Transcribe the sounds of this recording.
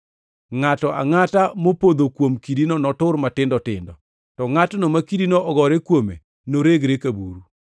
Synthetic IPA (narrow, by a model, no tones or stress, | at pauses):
ŋatɔʔa̰ŋatamopod̪okwomkidinonɔtʊɾmatɪndɔtɪ̰ndɔ̰ | tɔŋatnomakidinoʔɔɡɔɾekwomḛ | noɾeɡɾekabṵɾu